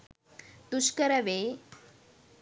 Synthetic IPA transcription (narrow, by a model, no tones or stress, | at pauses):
t̪uʃkəɾəʋe